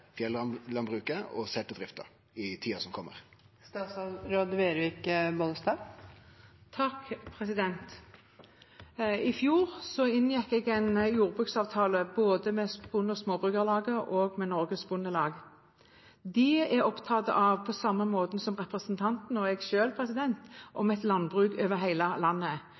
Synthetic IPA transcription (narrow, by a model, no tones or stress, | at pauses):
fjɛlɑnlɑnbʁʉːkəɔ̰sɛt̪ːəd̪ɾɪft̪ə̰ | ɪt̪ʰiːɑsɔmkʰɔmːə̰ʁ | st̪ɑsɾoːd̪ʋeːɾʋiːkbɔnst̪ɑː | t̪ʰɑkpʰʁɛsɪd̪ɛnt̪ | ɪfjuːʁsɔɪnjɛkːɛːɡɛnjuːʁbʁʉːksɑːʋt̪ʰɑːləboːd̪əmɛsb̥ʊnːɔsmoːbʁʉːɡəʁlɑːɡəʔoːɡmɛnɔʁɡəsbʊnːəlɑːɡ | d̪ɪæʁɔpt̪ʰɑːt̪ə̰ʔɑʋpʰɔsɑməmoːt̪n̩sɔmʁɛpʁəsnt̪ʰɑnt̪n̩ɔɛɡʃøːlpʰʁɛsɪd̪ɛnt̪ʔɔmɛt̪lɑnbʁʉːɡøːʋəʁɦæɪləlɑnːə